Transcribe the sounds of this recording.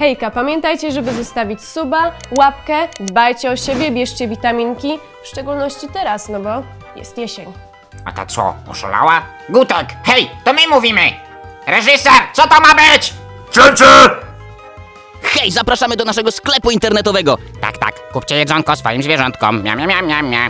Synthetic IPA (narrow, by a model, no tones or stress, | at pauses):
xɛjkapamʲjɛnt̪ajt͡ɕɛʐɛbɘzɔst̪avʲit͡ɕsubawap̚kɛd̪bajt͡ɕɛɔɕebʲjɛbʲjɛʂt͡ɕɛvʲit̪amʲinkʲi | fʂt͡ʂɛɡulnɔɕt͡ɕit̪ɛɾasnɔbɔ | jɛ̰st̪jeɕeɲ | a̰t̪a̰t̪sɔ̰ɔ̰ʂɔ̰la̰wa | ɡut̪ɛkxɛjt̪ɔmɘmuvʲimɘ | ɾɛʐɘsɛɾt̪sɔt̪ɔmabɘt͡ɕ | t͡ʂɘt͡ʂɘ | xɛjzapɾaʂamɘd̪ɔnaʂɛɡɔsklɛpuint̪ɛɾnɛt̪ɔvɛɡɔt̪a̰kt̪a̰kːup̚t͡ɕɛjɛʐɔŋkɔsfa̰jimzvʲjɛʐɔnt̪kɔ̰mːa̰mamʲjamɲamɲa